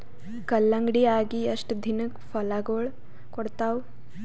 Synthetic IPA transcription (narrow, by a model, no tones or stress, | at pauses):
kɐlːɐŋɡɽiaːɡiɐʂʈd̪ʱinɨkfɐlaːɡoːɭ | kɔɽt̪aːw